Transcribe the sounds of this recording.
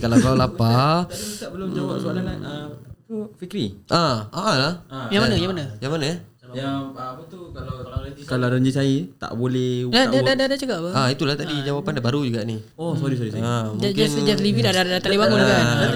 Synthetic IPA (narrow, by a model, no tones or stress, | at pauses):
kalablalapa | aʔbəlʊmawa̰soa̰lana̰t̪ufikɾiʔaaalahjaŋmanəjaŋmanəjaŋmanəja | t̪ukalakalaɾəɲd͡ʒisait̪a̰ʔbolɛhdadadadadat͡ʃakaʔpəait̪ulaht̪adid͡ʒawapandabaɾud͡ʒuɡaʔni | osaɾis̬aɾisaamud͡ʒknd͡ʒaslividadadat̪adibaŋʊnakaa